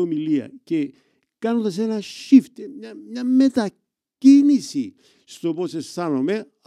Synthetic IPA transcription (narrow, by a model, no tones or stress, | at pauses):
omiliɐ̰ce̞ | kɐnod̪ɐse̞nɐʃift̪eamɲame̞t̪a | cinisi | st̪o̞po̞se̞st̪anome̞